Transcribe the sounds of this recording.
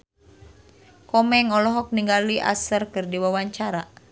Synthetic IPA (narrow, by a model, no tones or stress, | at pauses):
kɔmɛŋɔlɔɦɔk̚niŋɡaliʔa̰sərkɨrdiwawaɲt͡ʃaɾa